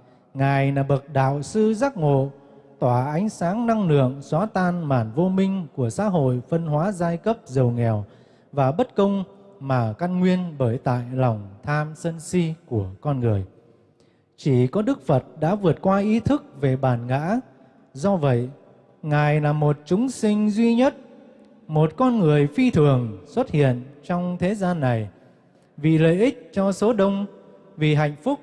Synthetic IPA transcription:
ŋaː˨˩jnaː˨˩ɓə˨˩t̚ɗa̰ː˧˨wsɨ˧zaː˦˥k̚ŋo̰˧˨ | t̪waː˧˩ʔa˨˦jŋ̟saː˨˦ŋna˧ŋlɨ̰˧˨əŋswaː˨˦t̪aː˧˩nmaː˧˩nvo˧mï˧ŋ̟ku˧˩əsa̰ː˧˥ɦo̰˧˨jfə˧nɦwaː˨˦zaː˧jkə˦˥p̚zə˨˩wŋɛ˨˩w | vaː˨˩ɓə˦˥t̚kə˧wŋ͡mmaː˨˩ka˧nŋwi˧ənɓəː˧˩jt̪a̰ː˧˨jlɔ˨˩wŋ͡mt̪ʰaː˧msə˧nsi˧ku˧˩əkɔ˧nŋɨ˨˩əj | t͡ɕi˧˩kɔ˨˦ɗɨ˦˥k̚fə˨˩t̚ɗa̰ː˧˥vɨ˨˩ət̚kwaː˧ʔi˨˦t̪ʰɨ˦˥k̚ve˨˩ɓaː˨˩nɣa̰ː˧˥ | zɔ˧və̰˧˨j | ŋaː˨˩jlaː˨˩mo˨˩t̚t͡ɕʊ˨˦ŋ͡msï˧ŋ̟zwi˧ɲə˦˥t̚ | mo˨˩t̚kɔ˧nŋɨ˨˩əjfi˧t̪ʰɨ˨˩əŋswə˦˥t̚hḭ˧˨ənt͡ɕɔ˧wŋ͡mt̪ʰe˨˦zaː˧nːa˨˩j | vḭ˧˨lə̰ː˧˨ʔï˦˥k̟̚t͡ɕɔ˧so˨˦ɗə˧wŋ͡m | vi˨˩ɦa̰˧˨jŋ̟fʊ˦˥k͡p̚

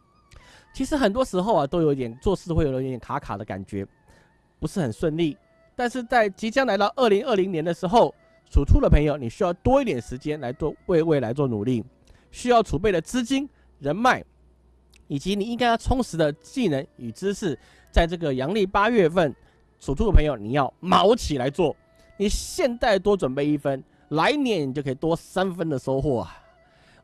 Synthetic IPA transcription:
t͡ɕʰi˧˥ʂɻ̩˧˥xə˨˩nt̪̬wɔ˥ʂɻ̩˧˥xo˥˧ʊɐ˩t̪o˥ʊjo˨˦i˥t̪jɛ˨˩nt͡swɔ˥˧ʂɻ̩˥˧xwj̪jɛ˨˩kʰa˧˥kʰa̰˨˩d̪ə˦ka̰˨˩nt͡ɕɥɛ̰˧˥ | pu˧˥ʂɻ̩˥˩xə˨˩nswə˥˧nli˥˩ | t̪a˥˧nʂɻ̩˥˧t͡sa˥˩ɪt͡ɕi˧˥t͡ɕjɑ˥ŋla˧˥ɪt̪ɑ˥˧ʊʔə˥˩li˧˥ŋə˥˩li˧˥ŋnjɛ˧˥nd̪ə˧ʂɻ̩˧˥xo˥˩ʊ | ʂʰu˨˩ʈ͡ʂʰu˥˩d̪ə˩pʰə˧˥ŋjo˨ʊni˨˩ɕy˥jɑ˥˩ʊt̪wɔ˥i˥˩t̪jɛ˨˩nʂɻ̩˧˥t͡ɕjɛ˥nla˧˥ɪt͡swɔ˥˧we˥˧ɪwe˥˩ɪla˧˥ɪt͡swɔ˥˩nṵ˨˩li˥˩ | ɕy˥jɑ˥˩ʊʈ͡ʂʰu˨˩p̬e˥˩ɪd̪ə˩t͡sɹ̩˥t͡ɕi˥n | ɻə˧˥nma˥˩ɪ | i˨˩t͡ɕi˧˥ni˨˩i˥ŋka˥ɪjɑ˥˧ʊt͡sʰʊ˧˥ŋʂɻ̩˧˥d̪ə˧t͡ɕi˥˩nə˧˥ny˨˩ʈ͡ʂɻ̩˥ʂɻ̩˥˩ | t͡sa˥˧ɪʈ͡ʂɤ˥˩ɡə˩jɑ˧˥ŋli˥˩pa˥ɥɛ˥˧fə˥˩n | ʈ͡ʂʰu˨˩u˥˩ə˩pʰə˧˥ŋjo˨˧ʊni˨˩jɑ˥˩ʊmɑ˧˥ʊt͡ɕʰi˨˩la˧˥ɪt͡swɔ˥˩ | ni˨˩ɕjɛ˥˧nt͡sa˥˩ɪt̪wɔ˥ʈ͡ʂwə˨˩npe˥˧ɪi˥˩fə˦˥n | la˧˥ɪnjɛ˧˥ni˨˩t͡ɕo˥˩kʰi˨˩t̪wɔ˥sa˥nfə˥nd̪ə˨ʂo˥ʊxwɔ˥˩ɐ˨˩

